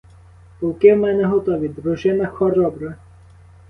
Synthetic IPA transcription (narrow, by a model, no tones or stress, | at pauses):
pɔwkɪwmɛnɛɦɔt̪ɔʋʲid̪ɾɔʒɪnɐxɔɾɔbɾɐ